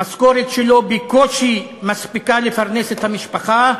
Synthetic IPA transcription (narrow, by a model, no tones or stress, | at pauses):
asko̞ʁet̪ʃelo̞bekoʃimaspikalefaʁneset̪hamiʃpaχa